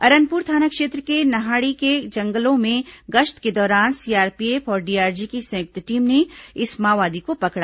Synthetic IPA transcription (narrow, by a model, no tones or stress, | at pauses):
ɐɾə̃npuːɾt̪ʰaːnakʃeːt̪ɾəkenɐɦaːɽiked͡ʒɐ̃ŋɡəlõmẽɡɐʃʈ̪ked̪ɔːɾaːnsiːaːɾpieːfʰɔːɾɖiaːɾd͡ʒikisɐ̃jʊk̚t̪ʈiːmneɪsmaːʋaːd̪ikopɐkɽa